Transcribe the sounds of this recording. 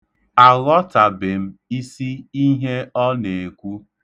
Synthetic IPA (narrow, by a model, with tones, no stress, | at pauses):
a˨ɣɔ˦ta˨bɪ˨m̩˦i˦si˦i˦ɦe˦ɔ˦ne˨e˨kʷu˦